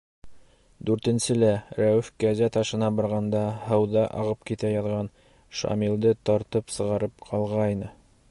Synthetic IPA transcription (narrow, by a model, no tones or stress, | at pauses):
d̪ʉɾt̪ɘ̆nsɘlæɾæwɘfkæzæt̪ɑʃɤ̆nɑbɑɾʁɑnd̪ɑhɤ̆wðɑʔɑ̰ʁɤp̚kit̪æjɑðʁɑn | ʃɑ̰milˠd̪ɤt̪ɑɾt̪ɤpsɤ̆ʁɑɾɤp̚qʰɑlˠʁɑjnɤ